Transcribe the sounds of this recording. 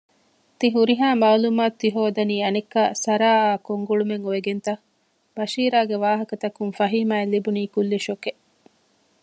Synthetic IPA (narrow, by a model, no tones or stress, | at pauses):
t̪iɦuɾiɦaːmaːlumaːt̪ːiɦoːd̪ɐniːɐnekːa̰ːsɐɾaːaːkoŋɡuɭumeŋoeɡent̪ɐ | bɐʃiːɾaːɡeʋaːɦɐkɐt̪ɐkuŋfɐɦiːmaːelːibuniːkulːiʃoke